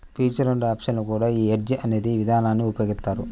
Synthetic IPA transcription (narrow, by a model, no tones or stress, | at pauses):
pʰiːt͡ʃɐɾɐɳɖaːpʂɐnlukuːɽaːiːɦeʈd͡ʒiʔɐne̞ːd̪iʋid̪ʱaːnaːnːiupjoːɡist̪ːaːɾu